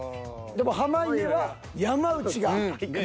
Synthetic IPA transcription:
d̪e̞moɦamaieβa | jamaɯ̟t͡ɕiɡa

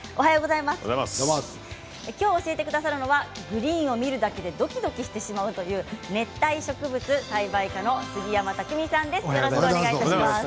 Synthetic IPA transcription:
o̞ɦajo̞ːɡo̞zaimasɨ̰zaa̰s | ekʲo̞ːɕie̞t̪e̞kɯ̟d̪asaɾɯ̟no̞βa | ɡɯ̟ɾʲĩːɰ̃o̞mʲiɾɯ̟d̪ake̞d̪e̞d̪o̞kʲid̪o̞kʲiɕi̥t̪e̞ɕimaɯ̟t̪o̞jɯ̟ːne̞t̪ːaiɕo̞kɯ̟bɯt͡sɨsaibaikano̞sɨɡʲijamat̪akɯ̟mʲisãnd̪e̞sjoɾoɕoeɡaiaimas

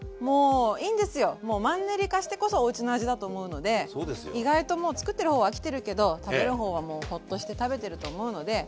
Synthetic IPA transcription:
moːiːnd̪e̞sɨjo̞mo̞ːmãnːeɾʲikaɕi̥t̪e̞ko̞so̞ːɯ̟t͡ɕinoaʑid̪at̪o̞ːmo̞ɯ̟no̞d̪e̞sod̪esjiɡait̪o̞mo̞ːt͡sɨ̥kɯ̟t̪ːe̞ɾɯ̟ho̞ːβakʲi̥t̪e̞ɾɯ̟ke̞d̪o̞t̪abe̞ɾɯ̟ɦo̞ːβamo̞ːho̞t̪ːo̞ɕi̥t̪e̞t̪abe̞t̪e̞ɾɯ̟t̪o̞ːmo̞ɯ̟no̞d̪e̞

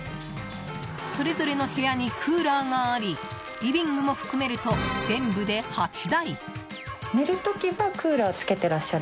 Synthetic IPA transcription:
so̞ɾe̞zo̞ɾe̞no̞he̞jaɲ̟ikʰɯːɾaːɡaːɾʲi | ibʲĩŋɡɯmo̞ɸɯ̟̥kɯ̟me̞ɾɯ̟t̪o̞zẽ̞mbɯd̪e̞hat͡ɕid̪ai | neɾɯ̟t̪o̞kʲiβakɯ̟ːɾaot͡sɨ̥ke̞t̪e̞ɾaɕːaɾ

